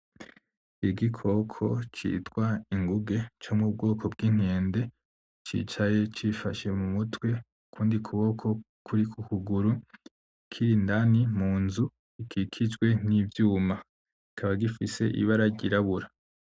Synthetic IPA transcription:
iɡikʰo̞kʰo̞̰t͡ʃḭːtwaiŋɡuɡe̞t͡ʃomŋub̚ɡo̞ːkʰo̞bɡin̥eːnde̞ | t͡ʃḭt͡ʃaje̞t͡ʃifaʃe̞mumutwe̞ | kʰuːndikʰuβo̞kʰo̞ | kʰuɾikukuɡuɾu | kʰiɾindanimuːnzu | ikʰikʰid͡ʒɡwe̞nivjuːma | ikʰaβaɡifise̞ʔḭβaɾaɟiɾaβuɾa

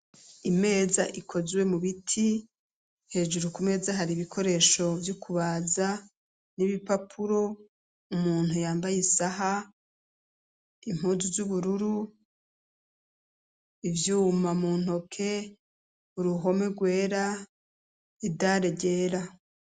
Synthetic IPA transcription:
ime̞ːzaʔikʰo̞zwe̞muβitʰi | he̞ːʒuɾukume̞zaɦaɾiβikʰo̞ɾe̞ːʃo̞vjukʰuβaːza | niβipapʰuɾo̞ | umuːn̥hujaːmbajisaɦa | im̥uːzuzuβuɾuɾu | ivjuːmamuːn̥ho̞kʰe̞ | uɾuɦo̞me̞ɡwe̞ːɾa | idaɾeɟe̞ːɾa

